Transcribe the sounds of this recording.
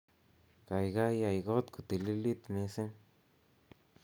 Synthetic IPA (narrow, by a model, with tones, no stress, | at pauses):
ka˨jɡa˦ja˧jɡo˦t̪ku˨t̪i˨li˦li˦t̪mi˧se˦